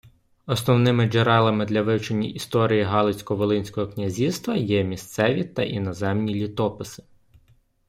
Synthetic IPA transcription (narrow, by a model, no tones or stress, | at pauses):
ɔsnɔwnɪmɪd͡ʒeɾɛlˠɐmɪd̪lʲɐʋɪwt͡ʃenʲːɐʔist̪ɔɾʲijiɦɑlˠɪsʲkɔʋɔlˠɪnʲsʲkɔɦɔknʲɐzʲist̪ʋɐjɛmʲist̪sɛʋʲit̪ɐʔinɔzɛmnʲilʲit̪ɔpɪsɪ̥